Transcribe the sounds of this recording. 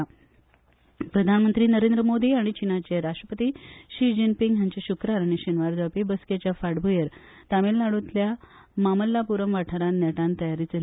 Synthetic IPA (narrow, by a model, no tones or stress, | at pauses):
pɾəd̪ʱanmənt̪ɾiːnəɾend̪ɾəmod̪ʱiaɽ̃it͡ɕinat͡ɕeɾasʂʈɾəpət̪iːɕid͡ʑənpiŋɡɦjaɲt͡ɕeɕukɾaɾaɽ̃iɕinʋaɾd͡zapibəsket͡ɕjafaɽbʱujəɾ | t̪amelːaɽut̪lja | maməlːapuɾəmʋaʈʰaɾannɛʈãnt̪əjaɾiːt͡səl